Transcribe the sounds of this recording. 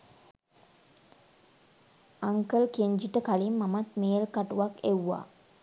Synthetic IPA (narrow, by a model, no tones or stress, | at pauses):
aŋkəlkeɲd͡ʒiʈəkalimːamat̪meːlkaʈuʋakewːa̰ː